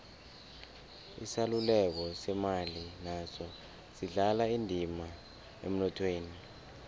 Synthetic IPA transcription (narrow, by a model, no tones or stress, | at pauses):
isalulɛk̬ɔsɛmalinazɔ | siɮalaindʱima | ḛm̩nɔtʰweːni